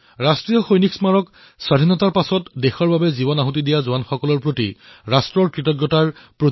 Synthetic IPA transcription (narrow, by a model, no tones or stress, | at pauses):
ɹastɹijɔxojniksmaɹɔk | sadʱinɔtaɹpasɔtdexɔɹbabɛzibɔnaɦut̬idijazʊanxɔkɔlɔɹpɹotḭɹastɹɔɹkɹitɔɡjɔtaɹpɹo